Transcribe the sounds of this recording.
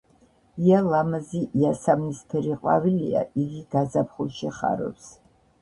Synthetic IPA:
ialamaziʔiasamnispʰɛɾiqʼwa̰vilia̰ʔiɡiɡazapʰχuʃiχa̰ɾɔ̰ps

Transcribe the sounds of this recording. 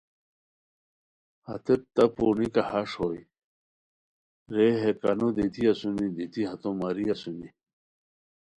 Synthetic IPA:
hɐ̰t̪et̚t̪ɐponikɐhaʂhoːj | ɾeɦekɐnud̪it̪iɐsunid̪it̪iɦɐt̪õmɐɾiɐsuni

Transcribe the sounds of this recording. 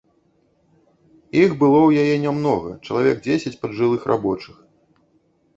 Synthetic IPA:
iɣbɨlˠɔwjajɛnʲɛmnɔɣɐ̰t͡ʂɐlˠavʲɛɡ̚d͡zʲesʲɐt͡sʲpɐd̪ʐɨlˠɨxrʔa̰bɔt͡ʂɨx

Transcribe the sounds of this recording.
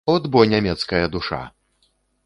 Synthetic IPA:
ɔd̪bɔnʲamʲɛt̪skɐjɐd̪uʂa̰

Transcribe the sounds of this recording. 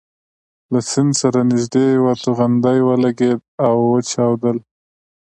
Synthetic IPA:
lasɪnd̪saɾanɪʒd̪ewat̪uɣand̪ajwəlaɡed̪̚awːət͡ʃɑwd̪əl

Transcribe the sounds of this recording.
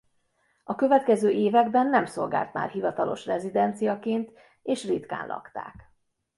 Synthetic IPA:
ɒkø̞vɛt̪kɛzøːʔeːvɛɡbɛnːɛmso̞̰lɡaːlt̪ma̰ːrɦivɒt̪ɒlo̞̰ʃrɛzid̪ɛnt̪sijɒkeːnt̪ | eːʃrit̪ka̰ːnlʔɒ̰kt̪a̰ːk

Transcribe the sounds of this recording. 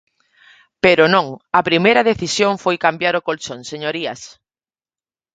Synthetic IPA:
peɾʊnõŋɐpɾimejɾɐðeθisjoŋfojkambjaɾʊkolt͡ʃoŋseɲoɾiɐs

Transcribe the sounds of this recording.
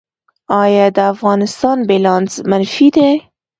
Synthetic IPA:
ɑjɑd̪əafɣɑnɪst̪ɑnbelɑnzmanfid̪e

